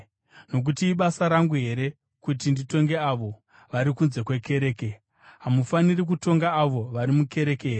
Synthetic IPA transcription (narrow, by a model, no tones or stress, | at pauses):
no̞k̬utiːɓasaɾaŋɡuɦe̞ɾe̞ | kut̬indito̞ŋɡe̞aʋo̞ | ʋaɾikunze̞kwe̞ke̞ɾe̞ːke̞ | ɦamufanirik̬uto̞ŋɡaːʋo̞ʋaɾimuke̞ɾe̞ke̞ɦere